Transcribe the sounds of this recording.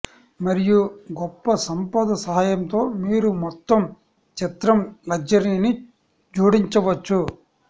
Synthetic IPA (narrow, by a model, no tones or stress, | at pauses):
mɐɾijuɡɔpːɐsɐmpɐd̪ɐsɐɦaːjɐmt̪o̞ːmiːɾumɔt̪ːɐm | t͡ʃit̪ɾɐmlɐɡd͡ʒɐɾiːni | d͡ʒuːɽiɲt͡ʃɐʋɐt͡ʃːu